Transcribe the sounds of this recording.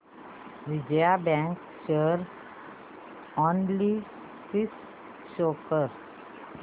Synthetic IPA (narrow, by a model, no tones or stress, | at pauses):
ʋid͡ʑjabãŋk | ɕəɾ | ɔnli | sis | ɕokʰəɾ